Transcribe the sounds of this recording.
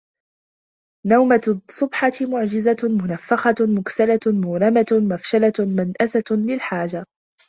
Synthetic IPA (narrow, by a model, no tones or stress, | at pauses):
nawmasˤːʊbħɑtmʊʕd͡ʒɪzamʊnafːɑxɑmʊksalamʊːɾɑmamafʃalamanʔasalɪlħaːd͡ʒa